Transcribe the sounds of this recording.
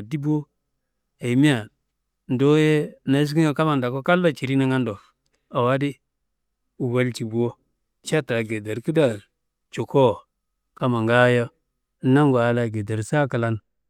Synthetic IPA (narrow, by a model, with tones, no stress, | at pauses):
di˦bo˦ | a˨i˨mi˦a˨ | n̩˨do˦je˦na˨i˦s̬ki˦o˦ka˦ma˨nda˨ko˦ka˦lːa˦˨t͡ʃi˨ɾi˦na˦ŋa˦ndo˨ | a˨wa˦di˦ | u˨wa˦lt͡ʃi˨bu˨wo˦ | t͡ʃa˦ta˨ɡe˨da˨ɾki˦da˨ | t͡ʃo˨ko˦˨ | ka˦ma˨ŋɡa˦ja˦ | na˦ŋɡa˨a˨la˨ɡe˨da˨ɾsa˦ka˨la˦n